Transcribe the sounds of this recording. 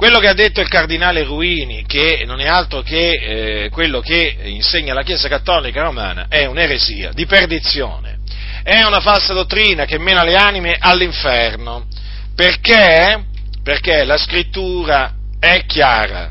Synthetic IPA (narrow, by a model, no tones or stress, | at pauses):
kwelːokead̪ːet̪ːoilkard̪inaːleruiːnikenːonɛalt̪ɾoke | kːwelːoke | inseɲːalakjeːzakat̪ːɔːlikaɾoma̰ːna̰ʔɛuneɾezḭːa̰d̪iperd̪it̪sːjo̰ːnḛ | ɛunafalsad̪ot̪ːɾiːnakemːeːnaleaːnimeʔalːiɱfɛrno | perke | perkelaskɾit̪ːuːɾa | ɛkːja̰ːɾa̰